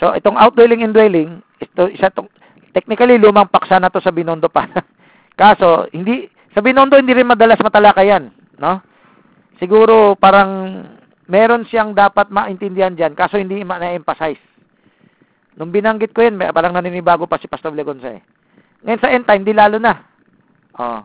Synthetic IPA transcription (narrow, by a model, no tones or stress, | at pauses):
so̞ʔɛt̪o̞ŋawt̪̚d̪wɛlɪŋɛnd̪wɛlɪŋ | ɪt̪osat̪oŋ | t̪ɛk̚nɪkɐliluːmɐŋpɐksanɐt̪o̞sɐbɪnond̪o̞paːɾɐ | kaːso̞hɪnd̪i | sɐbɪnond̪o̞hɪnd̪iɾɪnmɐd̪ɐlasmɐt̪ɐlakajanː | o̞ | sɪɡuːɾo̞paːɾɐŋ | mɛːɾo̞nsɪaŋd̪aːpɐt̪̚mɐʔɪnt̪ɪnd̪ɪhand͡ʒankaːso̞hɪnd̪imɐnɐʔɛmpɐsajs | nʊŋbɪnɐŋɡɪt̪̚kojanpaːɾɐŋnɐnɪnɪbaːɡopɐsɪpɐst̪oblɛɡonsɐ̰ɛ̰ | ŋɐjonsɐʔɛnt̪ajmd̪ilaːlonɐ | ʔo̰